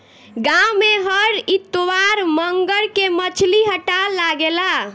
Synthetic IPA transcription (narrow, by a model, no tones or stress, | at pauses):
ɡameɦəɾit̪oʋaɾməŋɡəɭkemət͡ʃʰliɦəʈalaɡela